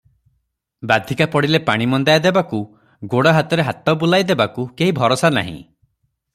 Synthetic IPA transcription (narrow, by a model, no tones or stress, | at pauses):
bad̪ʱikapɔɽilepaɽ̃imɔnd̪ajad̪ebaku | ɡoɽɔɦat̪ɔɾeɦat̪ɔbulajd̪ebakukeɦibʱɔɾosana̰ɦḭ̃